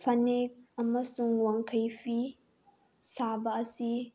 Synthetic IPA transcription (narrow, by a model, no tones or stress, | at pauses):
fɐnek̚ʔamɐsʊŋwɐŋkajɸi | saːbasi